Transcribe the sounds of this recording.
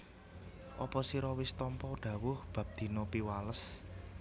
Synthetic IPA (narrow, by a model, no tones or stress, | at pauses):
ʔɔpɔsiɾɔwɪst̪ɔmpɔɖ̥ä̤wʊhb̥ä̤p̚d̪̥i̤nopiwaləs